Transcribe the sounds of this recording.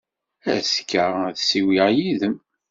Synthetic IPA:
æskːæðsiwiʁjiðəm

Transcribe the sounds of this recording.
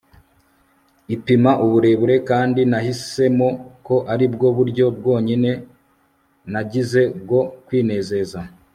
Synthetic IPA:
ipimaʔuβuɾe̞βuɾe̞kaːndinahise̞moko̞ʔaɾibɡo̞βuɾɟo̞b̚ɡo̞ːɲine̞ | naɟize̞b̚ɡo̞kwiːne̞ːze̞za

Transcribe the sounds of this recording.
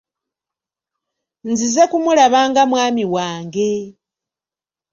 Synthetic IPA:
nzize̞kumulaβaːŋɡamwaːmiwaːŋɡe̞

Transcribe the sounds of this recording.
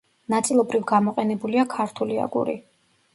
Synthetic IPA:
nat̪sʼilˠɔbɾivɡamɔqʼɛnɛbuliakʰaɾt̪ʰulia̰ɡṵɾḭ

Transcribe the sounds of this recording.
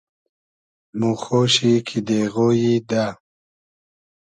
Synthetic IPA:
muxoːɕikʰid̪eːɣoːjid̪aː

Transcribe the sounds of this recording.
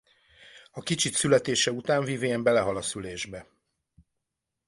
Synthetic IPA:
ɒkit͡ʃit̪sylɛt̪eːʃɛut̪aːɱviːveːɛmbɛlɛɦɒlɒsyleːʒbɛ

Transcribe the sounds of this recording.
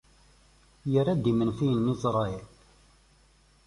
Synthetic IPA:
jərːæd̪imənfijənːisɾˤɑɛl

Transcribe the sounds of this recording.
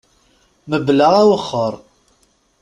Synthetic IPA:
məblaʁæwəχːəɾˤ

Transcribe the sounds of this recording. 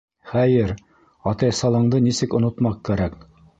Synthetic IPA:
χæjɘɾ | ɑt̪ɑjsɑlˠɑɴd̪ɤnisɘkŏnŏt̪mɑqkːæɾæk

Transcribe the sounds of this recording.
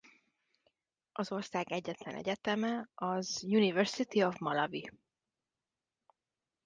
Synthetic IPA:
ʔɒzo̞rsaːɡɛɟːɛt̪lɛnɛ̰ɟɛt̪ɛmɛɒzjunivɛrsit̪iovmɒlɒvi

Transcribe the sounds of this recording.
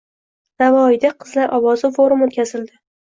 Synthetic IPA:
navɒɪd̪aqʰɨzlaɾʔɒwɒzɪfoɾʊmot̪̚kʲazɪld̪ɪ

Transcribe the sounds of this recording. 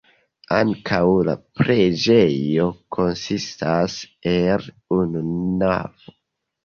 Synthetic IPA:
aŋkʰawla̰pɾe̞d͡ʒe̞jo̞kʰo̞nsistasel | ununa̰vo

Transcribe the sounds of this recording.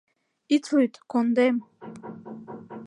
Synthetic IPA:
it͡sʰujt̪kond̪em

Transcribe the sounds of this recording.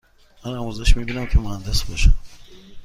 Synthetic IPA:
mænamuzeʃmibiːnæmkʲʰemohænd̪esbɔʃa̰m

